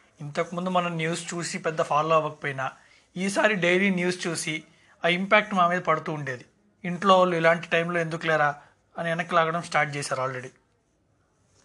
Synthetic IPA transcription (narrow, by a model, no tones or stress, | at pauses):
int̪ɐkimund̪umɐnɐmnjuːst͡ʃuːsipɛd̪ːɐpʰaːloːɐʋɐki̥poːjinaː | iːsaːɾiɖejliːnjuːst͡ʃuːsi | aːimpaːk̚ʈmaːmiːd̪ɐpɐɽut̪uːuɳɖe̞ːd̪i | iɳʈloːʋɐlːuilaːɳʈi̥ʈɐjmlo̞ːend̪uklɛːɾaː | ɐniɛnɐkːilaːɡɐɽɐmsʈaːɾʈ̚t͡ʃɛːsaːɾaːlɾe̞ɽi